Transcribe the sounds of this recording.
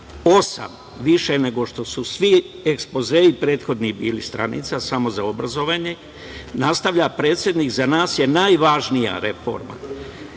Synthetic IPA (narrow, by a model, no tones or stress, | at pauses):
o̞sa̰m | ʋiʃene̞ɡo̞ʃt̪o̞susʋi | ekspo̞zeːipɾe̞ːt̪xo̞d̪nibiːlist̪ɾa̰nḭt̪sasamo̞zao̞bɾazo̞ʋaɲe̞ | nast̪aʋʎapɾe̞ːt̪sje̞d̪nikzanaːsje̞najʋaːʒnija̰ɾe̞fo̞̰ɾma̰